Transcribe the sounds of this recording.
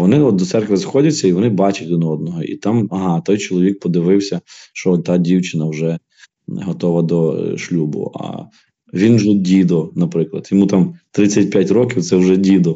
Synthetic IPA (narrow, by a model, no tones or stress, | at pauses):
ʋɔnɪɔt̪̚d̪ɔt̪sɛrkʋɪzxɔdʲɐt͡sʲːɐiʋɔnɪbɑt͡ʃɐtʲʋʲinɔd̪̚nɔɦɔʔḭt̪ɑmɐɦɑt̪ɔjt͡ʃɔlˠɔʋʲik̚pɔd̪ɪʋɪwsʲɐʃt͡ʃɔɔt̪ːɑdʲiwt͡ʃɪnɐwʒɛ | ɦɔt̪ɔʋɐd̪ɔʃlʲubʊ̰ɐ̰ | ʋʲinʒɔdʲid̪ɔnɐpɾɪklˠɐ̰d̪jɔmut̪amt̪ɾɪt͡sʲːɐt̚ʲpʲjatʲrɔkʲiwt̪sɛwʒɛdʲid̪ɔ